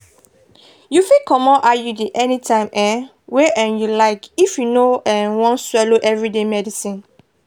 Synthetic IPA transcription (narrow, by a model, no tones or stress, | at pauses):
jufikʰɔmɔ̃ʔajudiʔɛnitʰãɪ̃mʔɛ̃ | weʔɛ̃njulaɪkifjunoɛ̃nwɔ̃nswɛloʔɛvɹidemɛdisĩn